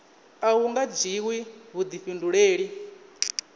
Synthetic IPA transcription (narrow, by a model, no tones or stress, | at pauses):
awuŋɡad͡ʒiwiβud̪iɸinduɺeːɺi